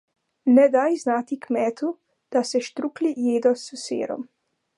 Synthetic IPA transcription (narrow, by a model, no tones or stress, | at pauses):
nɛd̪ajznaːt̪ikmɛːt̪ʰu | d̪̥asɛʃt̪ɾuklijeːd̪ɔsusḛːɾɔ̰m